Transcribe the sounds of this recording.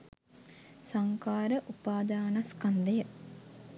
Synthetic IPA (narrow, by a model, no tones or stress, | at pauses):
saŋkaːɾəʔupaːd̪aːnaskand̪əjə